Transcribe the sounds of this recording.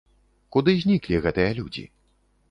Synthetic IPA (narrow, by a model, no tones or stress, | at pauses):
kud̪ɨzʲnʲiklʲiɣɛt̪ɨjɐlʲud͡zʲḭ